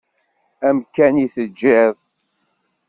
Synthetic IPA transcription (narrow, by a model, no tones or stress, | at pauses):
æmkæniθəd͡ʒːɪðˤ